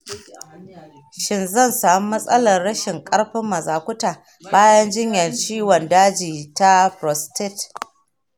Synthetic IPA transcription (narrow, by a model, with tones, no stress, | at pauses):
ʃɪ˨nzɐ˦˨nsaː˨mu˦mɐ˦sʼɐ˦lɐ˨rɽɐ˦ʃɪ˨ŋkʼɐ˦ɽɸɪ˦mːɐ˨zaː˨kʷʊ˦taː˨ | baː˦jɐ˦nd͡ʒɪ˦ɲjɐ˨nt͡ʃiː˦wɔ˨ndaː˦d͡ʒiː˨ta˦pɾɔ˨stɪ˦˨t